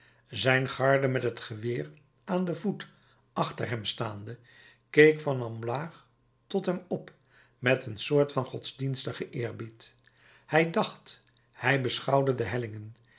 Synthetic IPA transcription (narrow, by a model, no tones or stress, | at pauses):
zɛjnχɑɹdəmɛtɦətχəʋɪːr | ʔaːndəvut | ʔɑχtə̰ɹɦɛmstaːndə | kejkfɑnɑmlaːχ | tɔtɦɛmɔp | mɛtənsʊːɹtfɑnχɔtzdinstəχəʔɪːɹbit | hɛjdɑχt | hɛjbəsχɑwdədəɦɛlɪŋən